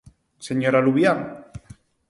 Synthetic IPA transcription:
seɲoɾaluβjaŋ

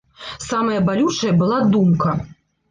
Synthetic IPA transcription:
samɐjɐbalʲut͡ʂɐjɐbɨlˠad̪umkɐ

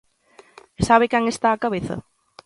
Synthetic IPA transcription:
saβɪkaŋest̪aːkaβeθɐ̰

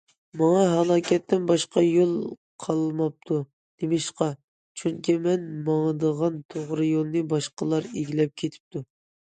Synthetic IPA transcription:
mɑŋɑɦɑlˠɑːkʲʰɛt̪ʰːɪnbɑʃqɑjolˠ | qʰɑlˠmɑp̚t̪ʰu | d̪̥emɪʃqɑ | t͡ʃʰyŋkʲimɛnmɑŋd̪əʁɑnt̪ʰoʁɾɨjolˠnɨbɑʃqəlˠɑɾeɡʲilɛp̚kʲʰet̪ʰɪ̥p̚t̪ʰu

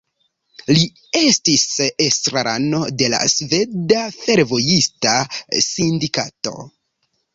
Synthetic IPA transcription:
li | e̞stisestɾaɾano̞de̞la̰sve̞ddafe̞ɾvo̞jistasindika̰to̞̰

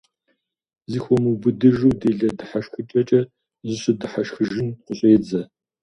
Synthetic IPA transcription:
ziːxʷɔmubɨdɨʒuːdeːɮɐdɨħaʃxɨt͡ʃʼɐt͡ʃʼɐ | zɨɕɪdɨħaʃxɨʒɪnqʷʊɕʼeːd͡zɐ

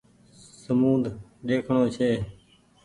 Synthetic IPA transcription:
səmuːd̪ʱɗeːkʰɳoːt͡ʃʰeː

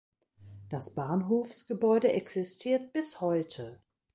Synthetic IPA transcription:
d̥asb̥aːnɦoːfsɡ̥əbɔʏdəʔɛksɪstʰiːɐt̚b̥ɪshɔʏtʰə

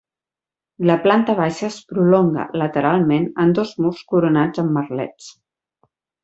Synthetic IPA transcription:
ləplant̪əβ̞aʃəːspɾulɔŋɡə̰lət̪əɾalˠmenənd̪ɔzmurskuɾunad͡zəmːərlɛ̰t͡s

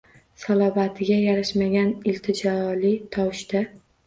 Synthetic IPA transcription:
salˠɒvat̪ʰɪɡʲajaɾaʃmaɡʲanɪlt̪ʰɪd͡ʒɒlɪt̪ʰɒwɪʃt̪a

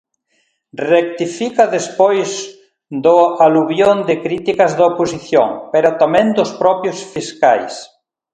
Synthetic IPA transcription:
rek̚t̪ifikaðespojz | d̪ʊaluβjond̪ɪkɾit̪ikɐzðɐoposiθjo̰ŋpeɾat̪amɛ̃ŋd̪ʊspɾɔpjʊsfiska̰js

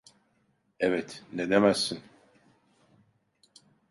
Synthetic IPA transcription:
ɛvɛt̪ned̪emæsːin

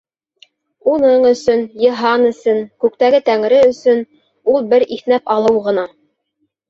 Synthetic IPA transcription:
unɤɴɵ̆sɵnjɤ̆ɦɑnɵ̆sɵŋkʉk̚t̪æɡɘt̪æŋ̆ɾɘɵ̆sɵn | ulˠbɘɾiθnæpɑlˠɤwʁɤ̆nɑ

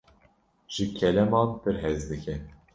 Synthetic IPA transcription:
ʒ̥ɨkʰɛlɛmɑːnpɨɾɦɛzd̪ɨkʰɛ

